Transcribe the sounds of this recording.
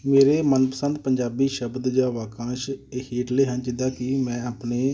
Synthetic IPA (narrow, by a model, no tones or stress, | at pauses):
meːɾeːmənpəsə̃nd̪̚pəɲd͡ʒaːbiːʃəbd̪d͡ʒaːʋaːkãːʃhiːʈleːɦənt͡ʃɪd̪aːkɪmɛ̃ːaːpneː